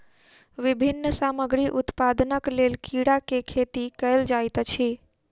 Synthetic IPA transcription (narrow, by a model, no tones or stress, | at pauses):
ʋɪbʱinːəsaməɡɾiʔut̪pad̪nəklelkiɽakekʰet̪ikəjld͡ʒajt̪t͡ʃʰe